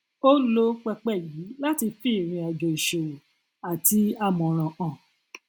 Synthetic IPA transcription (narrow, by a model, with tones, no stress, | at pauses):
o˦lo˦k͡pɛ˧k͡pɛ˦˨ji˨˦la˦ti˧fi˦˨ɾ̃ĩ˧ɛ˨ɡẽ˨i˨ʃo˨wu˨ | a˨ti˧a˦˨mɔ̃˨ɾ̃ã˨ʔɔ̃˨